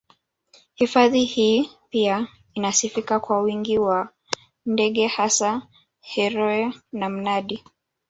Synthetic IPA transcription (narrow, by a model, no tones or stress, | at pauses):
hifaðihiːpia | inasifikakwawiŋɡiwa | ndɛɠɛhasa | hɛɾɔɛnam̩naɗi